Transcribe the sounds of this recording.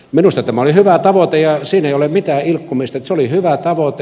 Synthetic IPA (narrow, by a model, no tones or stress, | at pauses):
minust̪ɑt̪æmæolihyʋæt̪ɑʋot̪ejɑsiːneiolemit̪æːilkːumist̪ɑet̪seolihyʋæt̪ɑʋot̪e